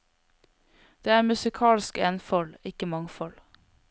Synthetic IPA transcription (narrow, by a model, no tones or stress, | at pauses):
d̪̥eːæːɾmʉsɪkʰɑːlskeːnfɔlɪkəmɑŋfɔl